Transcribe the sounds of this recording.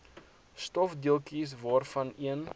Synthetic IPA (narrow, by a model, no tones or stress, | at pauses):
stɔfdiəlˠkis̬vɑːrfɐniən